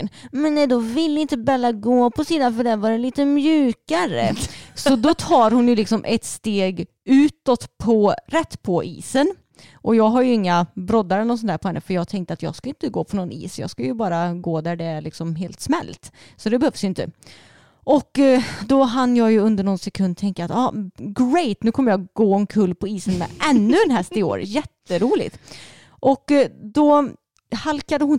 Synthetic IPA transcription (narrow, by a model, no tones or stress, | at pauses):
mɛnnːɛd̪ɔvɪlːɪnt̪əbɛlːaɡoːpʰɔsiːd̪anfœɖɛnvaɖɛliːt̪əmjʉ̟ːkaɾə̰sɔd̪ɔt̪ʰɑːɾhʊnjɵlɪksɔmʔɛt̪st̪eːɡ | ʉ̟ːt̪ɔt̪pʰɔɾɛt̪ːpʰɔʔḭːsən | ʔɔjɑːɡɦaɾjɵɪŋːabɾɔd̪ːaɾɛlɔsɔnt̪ʰæːpɔhɛnːəfœɾjɑːɡ̚t̪ʰɛŋkt̪əat̪jɑ̰ːɡskaɪnt̪əɡoːpʰɔnɔnḭːsjɑ̰ːɡskajɵbɑːɾaɡoːd̪æɖɛæɾɭɪksɔmɦeːlt̪smɛ̰lːt̪ | sɔd̪ɛbɛhœvsjʏnt̪ə̰ | ʔɔkːd̪ɔɦanjɑːɡjɵɵnd̪əɳɔnsɛkʰɵnd̪̚t̪ʰɛŋkəat̪ɑːɡɾɛjt̪nʉ̟kʰɔmːəɾjɑːɡɡoːɔnkʰɵlːpʰɔiːsənmɛ̰ʔɛnːɵɛnɦɛst̪ɪo̰ːɾjɛt̪ːəɾuːlɪ̰ɡt̪ | ʔɔkːd̪ɔ | halkad̪əhʊn